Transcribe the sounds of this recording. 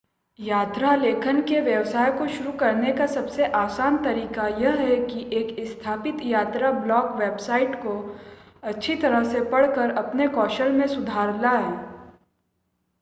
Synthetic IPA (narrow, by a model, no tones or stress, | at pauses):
jaːt̪ɾaleːkʰənkeʋjɐʋsaːjkoʃʊɾukɐɾnekasɐbseʔaːsaːnt̪ɐɾiːkajɐɦɦɛkiʔeːkɪst̪ʰaːpɪt̪jaːt̪ɾablɔːkʋeːbsaːɪʈko | ɐtːʃʰit̪ɐɾəɦsepɐɽ̤kəɾɐpnekɔːʃəlmẽsʊd̪ʱaːɾlaɦɛː